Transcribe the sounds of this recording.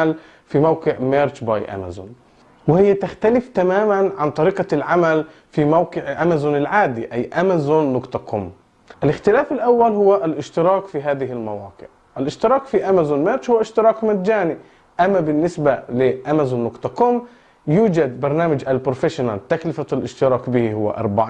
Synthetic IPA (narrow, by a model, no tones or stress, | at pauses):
al | fimawqɨʕmeːɾˤt͡ʃbajʔa̰ma̰zʊ̰n | wɪhɪjːat̪ɪxt̪alɪft̪amaːmanʕant̪ˤɑɾiːqalʕamal | fimawqɪʕʔamazʊnɪlʕaːd̪iʔajːʔamazonːʊqt̪ˤɑkʰʊ̰m | ʔalɪxt̪ɪlaːfɪlʔawːalhʊwːaʔalʔɪʃt̪ɪɾɑːkfiɦaːðɪɦɪlmawɑ̰ːqɨ̰ʕ | ʔalʔɪʃt̪ɪɾɑːkfiʔamazʊnmaʃhʊwːaʔɪʃt̪ɪɾˤɑːkmat̪d͡ʒaːni | ʔamːabɪnːɪsbalɪʔamazunːʊkt̪ˤɑkʊm | juːd͡ʒad̪̚bɑɾˤnaːmad͡ʒʔalpɾʊfɪʃʊnalt̪aklɪfalʔɪʃt̪ɪɾɑːkbɪhihʊwːa̰ʔɑ̰ɾˤbaʕ